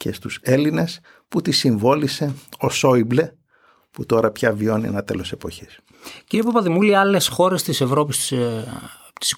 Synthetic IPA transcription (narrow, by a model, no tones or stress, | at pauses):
ce̞st̪use̞line̞s | put̪isiɱvo̞lise̞o̞so̞ible̞ | put̪o̞ɾɐpçɐvio̞niḛnɐt̪e̞lo̞se̞po̞çis | ciɾiep̬opɐðimuliɐle̞sxo̞ɾe̞st̪ise̞vɾo̞p̬is | t̪i̥s